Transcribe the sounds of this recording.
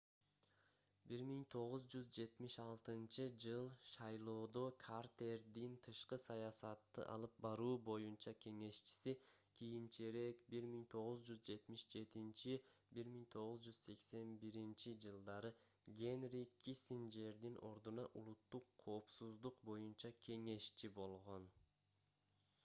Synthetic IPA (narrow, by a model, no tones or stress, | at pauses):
biɾmiŋt̪ʰo̞ʁuzd͡ʒyzd͡ʒe̞t̪miʃɑlˠt̪ɯnt͡ʃɯd͡ʒɯlˠʃɑjlˠo̞ːd̪o̞kʰart̪e̞ɾd̪int̪ʰɯʃqɯsɑjɑsɑt̪ːɯ̰ʔɑ̰lˠɯp̚bɑɾuːbo̞junt͡ʃɑkʲʰe̞ŋe̞ʃt͡ʃi̥si | kʲʰijint͡ʃeɾe̞kbiɾmiŋt̪ʰo̞ʁuzd͡ʒyzd͡ʒe̞t̪miʃd͡ʒe̞t̪int͡ʃibiɾmiŋt̪ʰo̞ʁuzd͡ʒyz̥se̞kse̞nbiɾint͡ʃid͡ʒɯlˠd̪ɑɾɯ | ɡʲe̞nrʲikʰːisind͡ʒe̞ɾd̪inʔo̞ɾd̪unɑʔṵlˠut̪ːuqʰːo̞ːpsuzd̪uqbo̞junt͡ʃɑkʲʰe̞ŋe̞ʃt͡ʃibo̞lˠʁo̞n